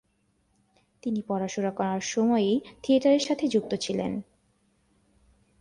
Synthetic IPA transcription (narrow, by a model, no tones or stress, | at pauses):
t̪inipɔɾaʃoɾakɔɾaɾʃɔmɔet̪ʰieʈaɾeɾʃat̪ʰed͡ʑuk̚t̪ot͡ɕʰilḛn